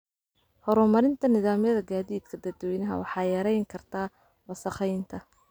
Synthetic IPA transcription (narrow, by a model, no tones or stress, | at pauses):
hɔɾɔmɐɾɪnt̪ʰɐnɪðaːmjɐðɐɡaːðiːd̪kʰɐd̪ɐd̪wɛjnɐɦɐ̰wɑħɑːjɐɾɛjŋkʰɐrt̪ʰaː | wɐsɐχɛjnt̪ʰɐ